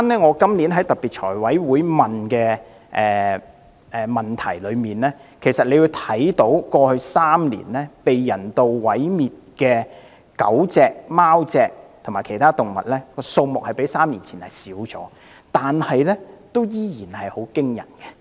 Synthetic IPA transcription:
aː˥nɛː˥ŋɔː˨˧kɐ˥mliː˨˥nɦɐ˨˥jt̪ɐ˨t̚piː˨t̚t͡ʃʰɔː˨˩jwɐ˨˥jwuː˨˥jmɐ˨nkɛː˧ | ʔɛː˨ | ʔɛː˨mɐ˨nt̪ʰɐ˨˩jlɵ˨˧ɥmiː˨nlɛː˥kʰe˨˩jsɐ˨t̚le˨˧ju˧wt̪ʰɐ˨˥jt̪o˨˥wkɔː˧hɵ˧ɥsaː˥mlḭː˨˩nlɛː˥pe˨jjɐ˨˩nt̪o˨wwɐ˨˥jmiː˨t̚kɛː˧ | kɐ̰˨˥wt͡sɛː˨˧k̚maː˥wt͡sɛː˨k̚t̪ʰʊ˨˩maː˨˩kʰe˨˩jt̪ʰaː˥t̪ʊ˨ŋmɐ˨t̚lɛː˥kɔː˧so˧wmʊ˨k̚hɐ˨jpe˨˥jsaː˥mliː˨˩nt͡sʰiː˨˩nhɐ˨˩jsiː˨˥wt͡sɔ̰ː˨˦ | t̪aː˨nhɐ˨jlɛː˥t̪o˥wjiː˥jiː˨˩nhɐ˨jho˨˥wkɪ˥ŋjɐ̰˨˩nkɛ˧

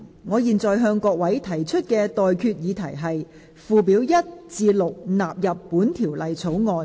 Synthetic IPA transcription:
ŋɔː˨˧jiː˨nt͡sɔː˨jɦœː˧ŋkɔː˧k̚wɐ˨˥jt̪ʰɐ˨˩jt͡ʃʰɵ˥t̚kɛː˧t̪ɔː˨jkʰyː˧t̚jiː˨˧t̪ʰɐ˨˩jɦɐ˨j | fuː˨piː˨˥wjɐ˥t̚t͡siː˧lʊ˨k̚naː˨p̚jɐ˨pːuː˨˥nt̪ʰiː˨˩wlɐ˨jt͡sʰo˨˥wŋɔː˧n

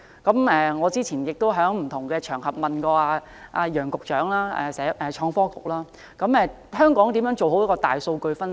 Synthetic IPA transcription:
kɐ˨˥mɛː˧ŋɔː˨˧t͡siː˥t͡sʰiː˨˩njɪ˨k̚t̪o˥wɦœː˨˥ŋm̩˨˩t̪ʰʊ˨˩ŋkɛː˧t͡ʃʰœː˨˩ŋhɐ˨p̚mɐ˨nkɔː˧aː˧ | ʔa̰ː˧jœː˨˩ŋkʊ˨k̚t͡ʃœː˨˥ŋlaː˥ɛ̰ː˨sɛː˨˥ʔɛː˨t͡ʃʰɔː˧ŋfɔː˥kʊ˨k̚laː˥ | kɐ˨˥mɛː˨˧ | hœː˥ŋkɔː˨˥ŋt̪iː˨˥mjœː˨˥ŋt͡ʃo˨wɦo˨˥wjkɔː˧t̪aː˨jso˧wkɵ˧ɥfɐ˥n

